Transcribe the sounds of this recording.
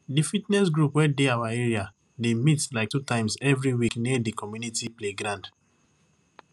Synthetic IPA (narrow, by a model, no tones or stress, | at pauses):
difitnɛsɡɹupwɛdeawaɛɹia | demitlaɪk̚tutãɪ̃msɛvɹiwikniɛdikʰɔmjunitipleɡɾãnd